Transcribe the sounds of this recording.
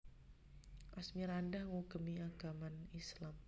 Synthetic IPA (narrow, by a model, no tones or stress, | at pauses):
ʔasmiɾandahŋuɡ̥əmiaɡ̥amanislam